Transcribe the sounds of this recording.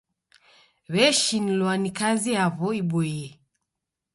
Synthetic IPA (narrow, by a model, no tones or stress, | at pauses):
βɛʃinilwanikaziaβɔiɓɔiɛ